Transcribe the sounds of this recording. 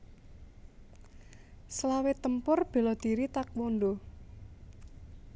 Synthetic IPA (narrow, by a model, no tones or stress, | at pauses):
səlawet̪əmpʊrb̥e̤lɔd̪̥iɾit̪ak̚wond̪o